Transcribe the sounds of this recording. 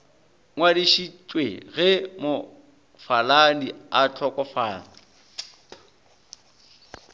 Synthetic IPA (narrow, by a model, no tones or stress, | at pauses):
ŋwadiʃit͡ʃʼwḛɣɛmʊ | faladiat͡ɬʰɔkʼɔfaːna